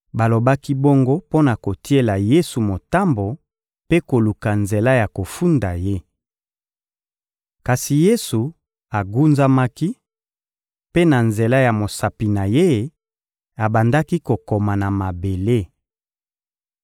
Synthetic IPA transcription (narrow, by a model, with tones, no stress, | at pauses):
ba˨lo˨ba˦ki˦bo˦ŋɡo˦po˦na˨ko˨ti˦e˦la˨je˦su˨mo˨ta˦mbo˨ | pe˦ko˨lu˨ka˨nze˨la˦ja˨ko˨fu˦nda˨je˦ | ka˨si˨je˦su˨ | a˨ɡu˦nza˦ma˦ki˦ | pe˦na˨nze˨la˦ja˨mo˨sa˨pi˨na˨je˦˨ | a˨ba˨nda˦ki˦ko˨ko˨ma˨na˨ma˨be˨le˦